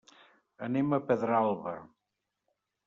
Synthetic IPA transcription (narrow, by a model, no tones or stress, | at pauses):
əneməpəðɾalˠβə